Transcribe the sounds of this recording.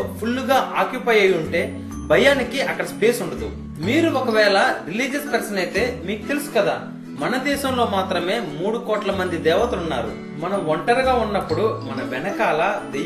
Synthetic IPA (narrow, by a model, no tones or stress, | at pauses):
pʰulːuɡaːʔaːkjupɐjɐjuɳʈe̞ː | bʱɐjaːnikiʔɐkːɐɽɐspeːsuɳɖɐd̪ṵ | miːɾuɔkɐʋɛːlɐɾiliːd͡ʒɐspɐksɐnɐjt̪e̞ːmiːku̥t̪elusu̥kɐd̪a̰ː | mɐnɐd̪ɛːʃɐmlo̞ːmaːt̪ɾɐme̞ːmuːɽukɔːʈlɐmɐnd̪id̪ɛːʋɐt̪ɐunːa̰ːɾṵ | mɐnɐmʋɔɳʈɐɾɡaːunːɐpːuɽumɐnɐʋɛnɐkaːlɐd̪